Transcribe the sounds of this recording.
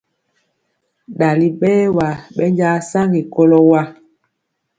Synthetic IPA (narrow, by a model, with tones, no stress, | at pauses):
ɗa˨li˨ɓɛː˦wa˨ɓɛ˦ɲd͡ʒa˦sa˦ŋɡi˨ko˦lɔ˦wa˦